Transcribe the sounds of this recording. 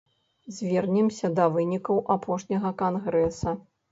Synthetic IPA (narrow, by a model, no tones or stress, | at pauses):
zʲvʲɛrnʲɛmsʲɐd̪ɐvɨnʲikɐwʔapʰɔʂnʲɐɣɐkanɣɾɛsɐ